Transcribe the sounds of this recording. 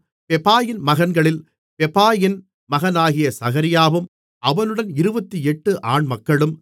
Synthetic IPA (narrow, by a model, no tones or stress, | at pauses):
pɛpaːjɪnmɐɣɐnɡɐɭɪl | pɛpːaːjɪn | mɐɣɐnaːɣɪjɐsɐɣɐɾɪjaːʋɯm | ɐʋɐnɯɽɐnɪɾɯbɐt̪ːiɛʈːɯʔaːɳmɐkːɐɭɯm